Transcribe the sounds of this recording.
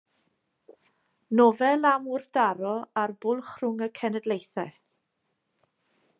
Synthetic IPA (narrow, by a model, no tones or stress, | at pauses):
nɔvɛlˠamʊr̥θd̥aɾɔarbʊlˠχrʊŋəkʰɛnɛdlejθɛ